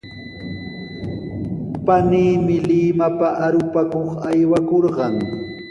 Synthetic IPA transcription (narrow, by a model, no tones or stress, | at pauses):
paniːmɪlɪmapaʔaɾʊpakoχajwakoɾɢɑŋ